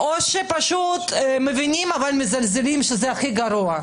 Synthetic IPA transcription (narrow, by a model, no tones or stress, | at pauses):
ʔoʃepaʃut̪mevinʲimavalmezalzelimʃezeaxiɡɐɾuɐ